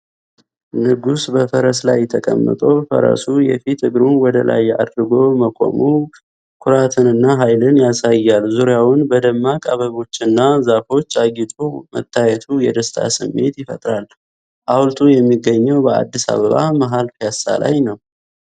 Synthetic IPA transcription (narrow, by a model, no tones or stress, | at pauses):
nɨɡusbəfəɾəslajːɛt̪ʰːəkʼə̰mːə̰t̪ʼəwfə̰ɾə̰sujɛ̰fit̪ʰɨɡɾunwɔd̪əlʔa̰jːa̰d̪ɾɨɡo̞məkʼo̞̰mu | kʰʊɾat̪ʰɨnɨnːaɦajlɨnjasajːalzuɾjawʊnbəd̪əmːakʼaβəβo̞t͡ʃːɨnːazafo̞t͡ʃːaɡit̪ʼumət̪ʰːajɛt̪ʰujɛd̪əst̪ʰa̰sɨmːe̞̰t̪jɪfət̪ʼɾal | ʔawlt̪ʰʼujɛmːiɡːəɲːəwbəa̰d̪ːisa̰βəβa̰məɦalfasa̰la̰jnəw